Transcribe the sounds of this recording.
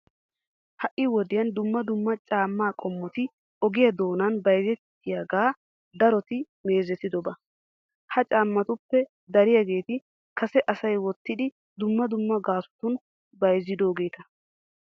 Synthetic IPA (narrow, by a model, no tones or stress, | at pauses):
hɐʔɪwɔd̪ɪjɐnd̪ʊmːɐd̪ʊmːɐt͡ʃʼaːmːaːkʼɔmːɔt̪ɪ | ɔɡɪjɐd̪o̞ːnɐnbɐjzɛt̪ːɪjaɡaː | d̪ɐɾɔt̪ɪ | me̞ːzɛt̪ɪd̪ɔbɐ | hɐt͡ʃʼaːmːɐt̪ʊpːɛ | d̪ɐɾɪjaɡe̞ːt̪ɪ | kɐsɛʔɐsɐjwɔt̪ːɪd̪ɪ | d̪ʊmːɐd̪ʊmːɐɡaːsʊ̥t̪ʊn | bɐjzɪd̪o̞ːɡe̞ːt̪ɐ